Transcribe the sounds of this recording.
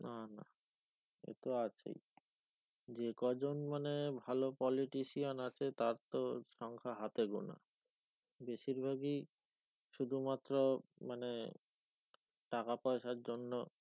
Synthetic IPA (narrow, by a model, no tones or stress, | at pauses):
nana̰ | ḛt̪oat͡ɕʰḛj | d͡ʑekɔd͡ʑonmanebʱalopɔliʈiʃionat͡ɕʰet̪aɾt̪oʃɔŋkʰaɦat̪eɡo̰na̰ | beʃiɾbʱaɡi | ʃud̪ʱumat̪ːɾomane | ʈakapɔeʃaɾd͡ʑonːo